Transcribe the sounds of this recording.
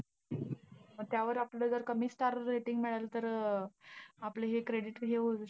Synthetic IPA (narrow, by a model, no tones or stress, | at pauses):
məɡ̚t̪jaʋəɾapləd͡zəɾkəmiːsʈaɾːeʈiŋɡmiɭalt̪əɾ | apleɦekɾeɽiʈɦeɦo